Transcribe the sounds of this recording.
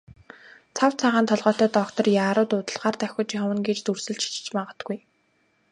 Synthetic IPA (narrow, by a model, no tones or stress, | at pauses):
t͡sʰaw̥t͡sʰaʁaːnt̪ʰɔɮʁɔːt̪æːt̪ɔkt̪ɞ̆rjaːɾʊːt̪ʊːt̪ə̆ɮʁaːrt̪æxʲʊ̆t͡ɕiχɔwə̆nɡet͡ɕt̪ursɵ̆ɮt͡ɕʰi̥t͡ɕɪ̥̆t͡ɕmaʁə̆t̪ɡuj